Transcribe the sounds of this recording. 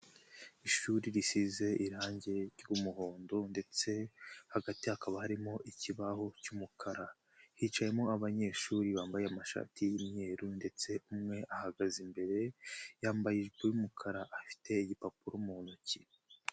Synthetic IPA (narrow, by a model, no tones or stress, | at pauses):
iʃuːɾiɾisize̞ʔiɾaːɲɟe̞ɾumuɦo̞ːndonde̞t͡se̞haɡatihakaβahaɾimo̞ʔiciβaho̞cumukʰaɾa | hit͡ʃaje̞mo̞aβaɲe̞ːʃuːɾiβaːmbajeamaʃa̰ːtijime̞ːɾunde̞t͡se̞umŋe̞ʔahaɡazimbe̞ɾe̞jaːmbajiʒbojumukʰaɾaʔafi̥tʰe̞iɟipapuɾomunuci